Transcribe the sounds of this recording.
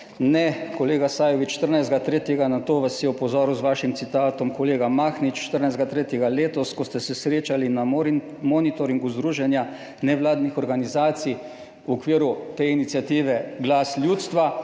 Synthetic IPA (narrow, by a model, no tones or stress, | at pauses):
nɛkɔleːɡasaːjɔʋit͡ʃʃt̪əɾnajzd̪ɡat̪ɾeːt̪jɛɡanat̪oːʋasːjɛɔpɔzɔːɾuzʋaːʃimt̪sit̪aːt̪ɔmkɔleːɡamaːxnit͡ʃʃt̪əɾnajzd̪ɡat̪ɾeːt̪jɛɡaleːt̪ɔskɔst̪ɛsɛsɾeːt͡ʃalina | mɔnit̪ɔɾiŋɡuzd̪ɾuːʒɛnja | nɛʋlaːd̪nixɔɾɡanizaːt̪si | wɔkʋiːɾut̪einit̪sjat̪iːʋɛɡlasljuːt̪st̪ʋa